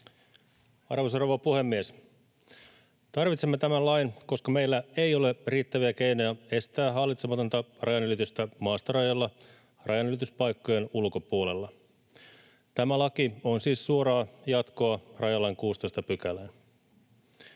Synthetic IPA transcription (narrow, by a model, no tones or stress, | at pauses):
ɑ̰rʋosroʋɑpuhe̞mːies | t̪ɑrʋit̪se̞mːet̪æmællɑjnko̞skɑme̞ijlːæejo̞le̞riːt̪ːæʋiæke̞ino̞jɑe̞st̪æːɦɑlːit̪semɑt̪o̞nt̪ɑrʔɑjɑnylit̪yst̪æmɑːst̪ɑrɑjɑlːɑ | rʔɑjɑnylit̪yspɑjkːojenulko̞puole̞lːɑ | t̪æmælɑkionsiːssuo̞ɾɑːjɑt̪ko̞ɑrɑjɑlːɑjŋkuːst̪o̞ist̪ɑpykælen